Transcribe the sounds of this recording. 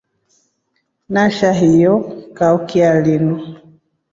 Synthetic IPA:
naʃaɦijɔkaukialinu

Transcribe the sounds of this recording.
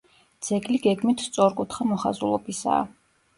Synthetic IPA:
d̪z̥ɛɡʼliɡɛɡmit̪ʰst̪sʼɔɾkʼut̪ʰχamɔχa̰zulˠɔbisa̰ː

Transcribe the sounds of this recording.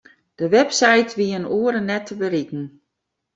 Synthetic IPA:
d̥əʋɛpsajtʰʋiənuəɾənːɛtʰəbəɾikn̩

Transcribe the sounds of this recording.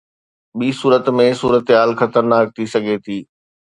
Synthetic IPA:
ɓiːsuːɾət̪mẽsuːɾət̪ɦaːlxɐt̪əɾnaːk̚t̪ʰisɐɡʱet̪ʰiː

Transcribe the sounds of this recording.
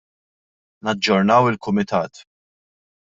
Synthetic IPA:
nɐd͡ʒːɔɾnɐwɪlkʊmɪt̪ɐːt̪

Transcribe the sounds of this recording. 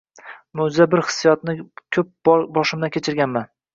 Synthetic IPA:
mowd͡ʒɪzabɪɾhɨ̥sːijɒt̪nɪkʲʰɵp̚bɒʃɪmd̪akʲet͡ʃʰɪɾɡʲanman

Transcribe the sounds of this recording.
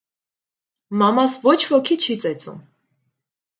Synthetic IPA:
mɑmɑsvɔt͡ʃʰvɔkʰit͡ʃʰit͡sɛt͡sʼṵm

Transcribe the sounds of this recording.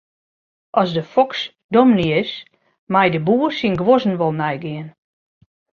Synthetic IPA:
ʔɔzdəfɔks | domnis | majdəbuːərsinɡʋozn̩ʋɔlˠnɛjɡɪən

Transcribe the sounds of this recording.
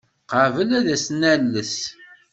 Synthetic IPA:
qəvəlæðæsnælːəs

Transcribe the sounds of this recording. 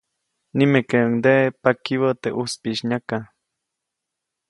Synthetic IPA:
nimekeŋd̪eʔpakiwot̪eʔuspiʃɲaka

